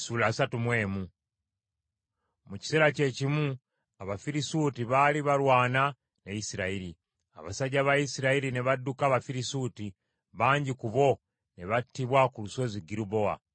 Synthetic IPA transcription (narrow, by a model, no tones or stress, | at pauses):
sulaːsatumwe̞ːmu | muci̥seɾace̞cimu | aβafiɾisutiβaliβalwaːna | neisiɾaiɾi | a̰βa̰saɟaβaisiɾailineβadukaːβafiɾisuti | βaːɲɟikuβo̞ | neβatːiβwakuluso̞ziɡiɾubo̞a̰